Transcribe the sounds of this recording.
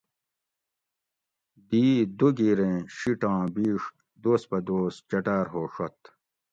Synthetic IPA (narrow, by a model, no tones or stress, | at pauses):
d̪iːd̪uɡiɾẽɕiʈãːbiːʂ | d̪oːspɐd̪oːst͡ɕɐʈaːɾɦoːʂɐt̪